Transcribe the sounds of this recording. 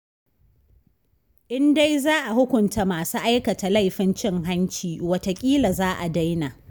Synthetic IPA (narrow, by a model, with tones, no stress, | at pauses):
ʔɪ˦nda˦jzaː˦ʔa˨hʊ˦kʷʊ˨nta˨˦maː˨su˦ʔa˦jkɐ˨ta˨la˦˨jɸɪ˦nt͡ʃɪ˦˨ŋɦa˦nt͡ʃiː˨wɐ˦ta˨kʲʼiː˦la˨zaː˦ʔa˨da˦jna˨ʔ